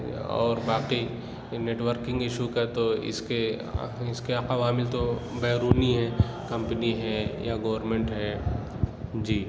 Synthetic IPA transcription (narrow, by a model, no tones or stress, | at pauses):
ɔ̰ːɾbaːqi | neːʈʋəɾkɪ̃ŋɡɪʃukɐat̪oɪ̰skeɪskeaːqaʋaːmɪlt̪obɛːɾuːniɦɛ | kɐ̃mpəniɦɛjaɡoːəɾmẽɳʈɦɛː | d͡ʒiː